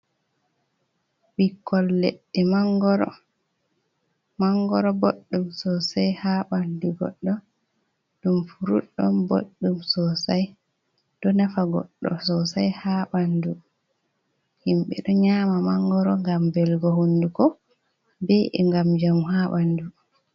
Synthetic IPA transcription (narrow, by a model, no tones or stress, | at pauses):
ɓikːɔlːɛ̰ɗːɛmaŋɡɔɾɔ̰ | maŋɡɔɾɔboɗːumsɔsajhaɓanduɡɔ̰ɗːɔ | dumfuɾuɗːɔ̰mbo̰ɗːumsɔsaj | d̥ɔnafaɡɔ̰ɗːɔ̰sɔsajhaːɓandu | himɓɛ̰ɗɔɲamamaŋɡɔɾɔŋɡambɛlɡɔhundukɔ | beʔɛ̰ŋɡamd͡ʒamhaɓandu